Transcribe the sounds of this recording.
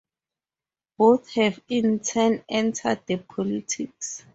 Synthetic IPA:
b̥oθhɛvĩntʰɛnɛ̃ntʰa̰d̚dəpʰɔlitʰiks

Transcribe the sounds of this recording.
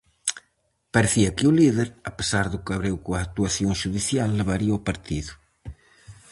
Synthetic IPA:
paɾeθiɐkeuliðeɾape̥saɾðukaβɾewkuak̚t̪uaθjoŋʃuðiθjalːeβaɾiawpaɾt̪iðu

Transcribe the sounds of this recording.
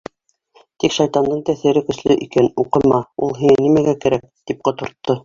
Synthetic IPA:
t̪ikʃɑjt̪ɑnd̪ɤɴt̪æθɘ̆ɾɘkɵ̆slɘʔikænuqɤ̆mɑulˠɦiŋɘnimæɡækæɾæk̚t̪ip̚qŏt̪ŏɾt̪ːɤ

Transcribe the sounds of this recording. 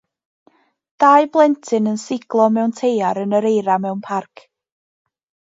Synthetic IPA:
d̥aɨblˠɛntʰɨnənsɪɡ̥lˠɔmɛwntʰejaɾənəɾejɾamɛwnpʰarkʰ

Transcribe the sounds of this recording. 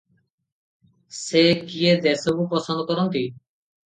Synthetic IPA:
sekied̪esobupɔsond̪okɔɾont̪i

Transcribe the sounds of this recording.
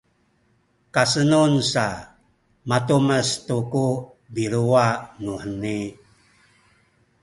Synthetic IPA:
kasənunsa | matuməstuku | biɾuanuħəni

